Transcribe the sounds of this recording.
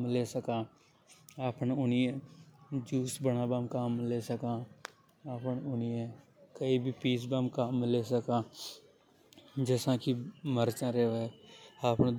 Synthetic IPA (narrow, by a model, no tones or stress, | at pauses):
mleːsəkãː | aːpnʊniẽːd͡ʒuːsbəɽãːbamkamleːsəkãː | aːpnʊniẽː | kəibʱipiːs̬bamkaːmleːsəkãː | d͡ʒesãːkiməɾt͡ʃãːɾeːʋeaːpn